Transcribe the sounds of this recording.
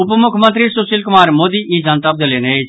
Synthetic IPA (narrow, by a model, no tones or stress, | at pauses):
ʊpmʊkʰmə̃nt̪̬ɾisʊsiːlkʊmaːɾmoːd̪iʔid͡ʒãːnt̪ab̚d̪ɐleːneeː